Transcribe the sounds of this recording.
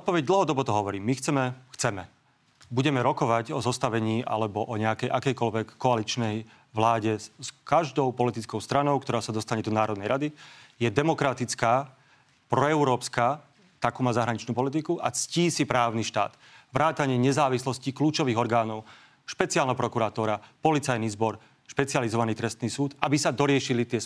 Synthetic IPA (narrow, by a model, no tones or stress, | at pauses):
ɔt̪pɔʋɛɟ̚d̪l̩ɦɔd̪ɔbɔt̪ɔɦɔʋɔɾiːmːixt͡sɛmɛxt͡sɛmɛ | buɟɛmɛɾɔkɔʋaɟɔzɔst̪aʋɛɲiːʔa̰lɛbɔʔɔɲɛakɛjʔakɛjkɔlʋɛkːɔalit͡ʃnɛj | ʋlaːɟɛskaʒd̪ɔʊpɔlit̪it͡skɔʊst̪ɾanɔʊkt̪ɔɾaːsad̪ɔst̪aɲɛd̪ɔnaːɾɔd̪nɛjɾad̪ijɛd̪ɛmɔkɾat̪it͡skaː | pɾɔɛʊɾɔːpskaː | t̪akuːmaːzaɦɾaɲit͡ʃnuːpɔlit̪̬ikuʔa̰t͡sciːsipɾaːʊniʃt̪a̰ːd̪̥ | ʋɾaːt̪aɲɪɛɲɛzaːʋislɔscikluːt͡ʃɔʋiːɣɔɾɡaːnɔʊ | ʃpɛt͡siaːlnaɦpɾɔkuɾat̪ɔːɾapɔlit͡sajnizbɔɾ | ʃpɛt͡sializɔʋaniːt̪ɾɛst̪niːsuːd̪abisad̪ɔɾɪɛʃilit̪ɪɛ